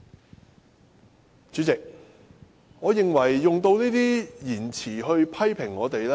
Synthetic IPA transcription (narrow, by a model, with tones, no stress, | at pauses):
t͡ʃyː˨˧˥t͡sɪ˨k̚ | ŋɔː˨˧jɪ˨ŋwɐ˨˩jːʊ˨ŋt̪o˧wniː˥t̪iː˥jiː˨˩nt͡sʰiː˨˩ɦɵ˧ɥpʰɐ˥jpʰɪ˨˩ŋːɔː˨˧t̪e˨jlɛ˥